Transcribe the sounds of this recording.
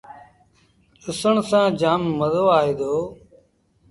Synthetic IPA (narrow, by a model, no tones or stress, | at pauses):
t͡ʃʊsəɳsãːd͡ʒaːmːəzoːaːɦeːd̪oː